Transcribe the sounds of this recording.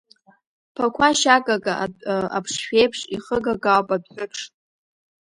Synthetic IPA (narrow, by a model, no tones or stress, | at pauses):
pʰakʷʰaʃakʼaɡʼaa̰pʰʂʃʷᶣejpʰʂiχəɡaɡawpʼabħʷᶣʊʈ͡ʂʰʼ